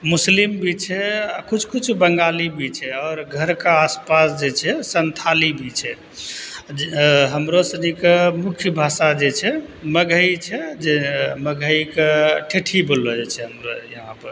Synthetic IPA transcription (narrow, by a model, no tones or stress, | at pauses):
muslimbʱit͡ʃʰɛakut͡ʃʰkut͡ʃʰbəŋɡalibʱit͡ʃʰɛɔːɾɡʱəɾkaːspasd͡ʒet͡ʃʰɛsənt̪ʰalibʱit͡ʃʰɛ | ɦəmɾosənikemukʰjəbʱasad͡ʒet͡ʃʰɛməɡʱəit͡ʃʰɛd͡ʒeməɡʱəikeʈʰeʈʰibolːɔd͡ʒet͡ʃʰɛɦəmɾojəɦãpəɾ